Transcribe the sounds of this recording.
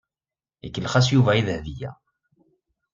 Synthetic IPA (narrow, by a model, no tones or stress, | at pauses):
ḭkːəlχæs̬juvæiðhðijæ̰